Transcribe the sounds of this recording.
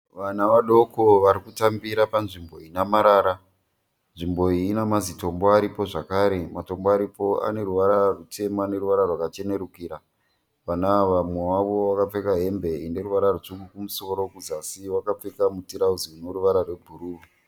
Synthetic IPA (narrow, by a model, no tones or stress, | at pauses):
ʋanaʋaɗo̞ko̞ʋaɾikutambiɾapanʐimbo̞inamaɾaːɾa | nʐimbo̞iːnamazito̞mboaɾipo̞ʐakaɾe̞mato̞mboaɾipo̞a̰ne̞ɾuʋaɾarutʰe̞maane̞ruʋaɾarwakat͡ʃe̞ne̞ɾukiːɾa | ʋanaʋamwe̞waʋo̞ʋakap͡fe̞kaɦe̞mbe̞ine̞ɾuʋaɾarut͡ʂukɡukumuso̞ɾo̞kud͡zasiwakap͡fe̞kamutiɾauziunoɾuʋaɾarwe̞bʱuɾuːu